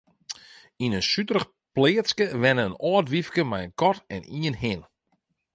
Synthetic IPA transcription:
inənsytərəχ | plɪəskəʋɛnəənɔːtʋifkəmɛjənkɔtɛniənɦɪn

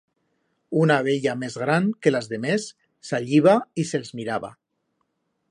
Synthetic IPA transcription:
unaβ̞eʎamezɣɾaŋkelazðemesː | aʎiβ̞aiselzmiɾaβa̰

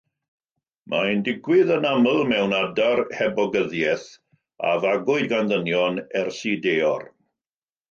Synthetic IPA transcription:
mʔaəndɪɡwɪðənaməlˠmɛwnadarhɛbɔɡəðjɛθ | a̰vaɡʊɨdɡanðənjɔnɛrsideːɔr

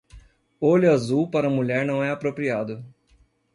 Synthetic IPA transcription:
oʎʊazuwpaɾɐũmuʎɛɾnɐ̃w̃ɛapɾopɾiad̪ʊ

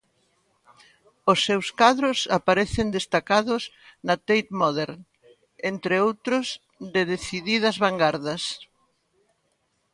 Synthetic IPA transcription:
ʊsːewskaðɾʊsapaɾɛθɪnd̪est̪akaðʊz | nɐt̪ejt̪mɔðeɾ | ent̪ɾɪowt̪ɾʊz | ðeðeθiðiðɐzβaŋɡaɾðɐs

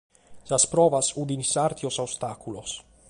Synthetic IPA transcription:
saspɾɔvasud̪insart̪iosawst̪akulos

